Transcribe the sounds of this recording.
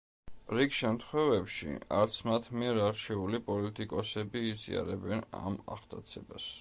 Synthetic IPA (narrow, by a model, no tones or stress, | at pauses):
ɾikʃɛmt̪ʰχwɛvɛpʃḭaɾt̪sʰmat̪ʰmiɛɾaɾt͡ʃʰɛulipʼɔlit̪ʼikʼɔsɛbiːzḭa̰ɾɛbɛna̰ma̰χd̪ʰʼat̪sʰɛbas